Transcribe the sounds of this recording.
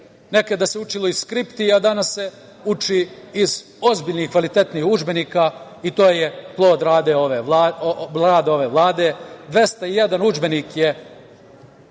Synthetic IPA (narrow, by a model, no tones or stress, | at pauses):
ne̞ked̪aseut͡ʃilo̞iskɾipt̪iad̪anasːe | ut͡ʃiiz | o̞zbiːʎnihkʋalit̪e̞t̪nihud͡ʒbeniːka | it̪o̞ːjeplˠo̞ːd̪ɾaːd̪eoʋeaaːd̪o̞ʋe̞ːʋlˠaːd̪e̞ːd̪ʋe̞st̪aijed̪anud͡ʒbe̞niːkje